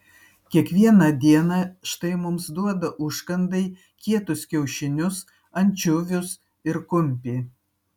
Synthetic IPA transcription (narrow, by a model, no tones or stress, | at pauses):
kʲiɛkʋʲiɛnɐd̪ʲiɛnɐʃt̪ɐɪmʊmsd̪uɔd̪ɐʔʊʃkɐnd̪ɐɪ | kʲiɛt̪ʊskʲɛʊʃʲɪnʲʊs | ɐnʲt͡ʃʲʊʋʲʊs | ɪɾkʊmʲpʲiː